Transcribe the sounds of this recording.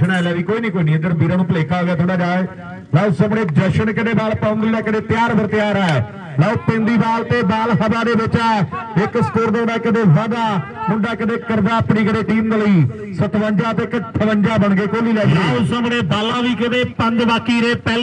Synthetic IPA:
naːɪlaːʋiːkoːiːnĩːkoːiːniːəd̪əɾbiːɾaːnũːpəleːkaːoɡaːt̪ʰoːɽaːd͡ʒaːeː | laːsəmɽeːd͡ʒəʃənkəd̪eːbaːlpə̃ːnd̪lɪaːkɪd̪eːt̪ɪjaːɾbəɾt̪ɪjaːɾaːe | laːopẽːnd̪iːbaːlt̪eːbaːlɦəbaːd̪eːbɪt͡ʃaːɪkskoːɾd̪eɳaːkɪd̪eːʋaːd̪aːmʊɳɖaːkɪd̪eːkəɾd̪aːəpniːkəɽeːʈiːmd̪eːləiː | sət̪ʋə̃ɲd͡ʒaːt̪eːkt̪ʰəʋəɲd͡ʒaːbəɳɡeːkoːliːlɛːkeːsəmɽeːbaːlãːʋiːkɪd̪eːpənd̪baːkiːɾeːpɛ

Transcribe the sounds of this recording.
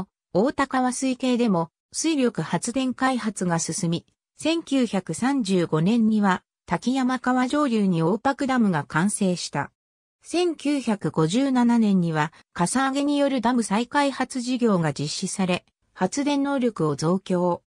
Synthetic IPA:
oːt̪akaβasɨike̞ːd̪e̞mo̞ | sɨiɾʲjo̞kɯ̟hat͡sɨd̪ẽ̞ŋkaiɦat͡sɨɡasɨsɨmʲi | sẽ̞ŋkʲɨːçakɯ̟sãɲ̟d͡ʑɨːɡo̞nẽ̞ɲ̟ɲiβa | t̪akʲijamakaβaʑo̞ːɾʲɯːɲ̟io̞ːpakɯ̟d̪amɯ̟ɡakãɰ̃se̞ːɕi̥t̪a̰ | sẽ̞ŋkʲɨːçakɯ̟ɡ̥o̞ʑɨːnananẽ̞ɲ̟ːiβa | kasaːɡe̞ɲ̟ijo̞ɾɯ̟d̪amɯ̟saikaihat͡sɨʑiɡʲo̞ːɡad͡ʑiɕːisaɾe̞ | hat͡sɨd̪ẽ̞nːo̞ːɾʲo̞kɯ̟o̞d͡zo̞ːkʲo̞ː

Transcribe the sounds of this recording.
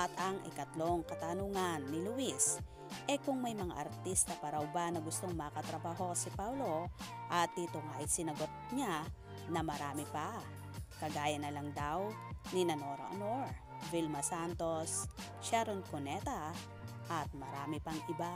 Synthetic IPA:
ʔɐt̪ɐŋʔɪ̰kɐt̪loŋkɐt̪anuŋanːɪluʔis | ʔɛkʊŋmɐjmɐŋa̰ʔɐɾt̪ist̪ɐpɐɾawbanɐɡʊst̪oŋmɐkɐt̪ɾɐbaːɦo̞sɪpablo̞ | ʔɐt̪ːit̪oŋaʔɪsɪnɐɡot̪̚ɲa | nɐmɐɾaːmɪpa | kɐɡaːjɐnɐlaŋd̪aw | ninɐnoɾa̰ʔo̰noɹ | vilmɐsant̪o̞s | ʃaɾon̚konɛt̪a | ʔɐt̪̚mɐɾaːmɪpɐŋɪba

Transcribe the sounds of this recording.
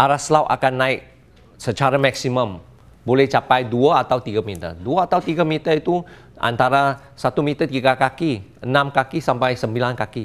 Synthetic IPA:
ʔaɾaslawʔa̰kanːaɪk̚ | sət͡ʃaɾamaksiməm | bolɛht͡ʃapajduaat̪awt̪iɡamit̪ə̰rduaat̪awt̪iɡamit̪ərit̪u | ʔa̰nt̪aɾa | sat̪umit̪ərt̪iɡakakiənamkakisampajsəmbilankaki

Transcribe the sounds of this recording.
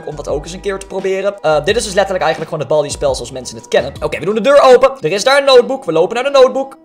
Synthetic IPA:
əkɔmdɑtowkɪsənkɪːɹtə̥prowbɪːrənədɪtɪsdɵslɛtəɹləkɛjχənləkχoːnɦəd̚bɑlˠdispɛlˠsəɔlsmɛnsənətkɛnənowkejʋədundədøːɹowpədərɪzdaːɹənːowt̚bukʋəlowpənaɹdənowt̚buk

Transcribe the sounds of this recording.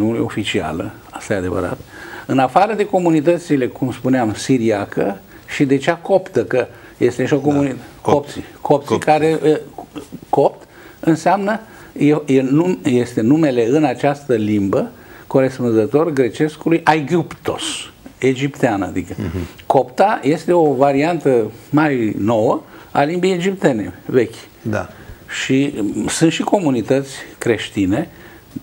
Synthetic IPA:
mulṵjo̞fit͡ʃia̰lə̰ | ast̪ajead̪e̞və̰ɾa̰t̪ɨnafaɾəd̪e̞ko̞munit̪ət̪sile̞kumspuneamsiɾiakə̰ | ʃid̪e̞t͡ʃeako̞pt̪əkəjest̪eʃiokomunit̪opsikʰop̚t̪sikaɾe | kopt̪ | ɨnseamnəjejenujest̪e̞nume̞le̞ɨnat͡ʃast̪əlimbəko̞ɾe̞spunzət̪o̞rɡɾe̞t͡ʃe̞skulujʔajɡupt̪o̞̰se̞d͡ʒipt̪eanəa̰d̪ikəko̞pt̪aje̞st̪e̞o̞vaɾiant̪əmajno̞wəalimbejed͡ʒipt̪e̞ne̞̰ve̞kʲ | d̪a̰ʃisɨunt̪ʃiko̞munit̪ət̪sʲkɾe̞ʃt̪ine̞

